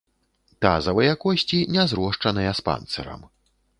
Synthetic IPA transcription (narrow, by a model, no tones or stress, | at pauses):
t̪a̰zɐvɨjakɔsʲt͡sʲinʲɛzɾɔʂt͡ʂɐnɨjɐspa̰nt̪sɛɾɐ̰m